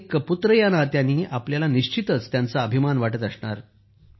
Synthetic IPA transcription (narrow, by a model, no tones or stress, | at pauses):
kəput̪ɾəjanaɾt̪janːiːʔapljalaniɕt͡ɕit̪ət͡st̪jant͡saəbʱimanʋaʈət̪əsɳa̰ɾ